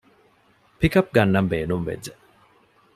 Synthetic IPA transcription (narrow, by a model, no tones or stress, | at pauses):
pikɐp̚ɡɐnːɐmbeːnumʋḛd͡ʒd͡ʒe